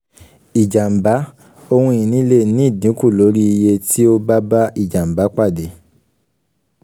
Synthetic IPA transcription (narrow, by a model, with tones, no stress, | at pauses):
i˨d͡ʒa˨m̩˨ba˨˦ | o˧hũ˧ĩ˨nĩ˨˦le˦˨nĩ˦˨dĩ˨˦ku˦˨lo˨˦ɾi˦i˧je˧tʰi˦o˦ba˦ba˦i˦˨d͡ʒa˨m̩˨ba˨˦k͡pa˦˨de˨˦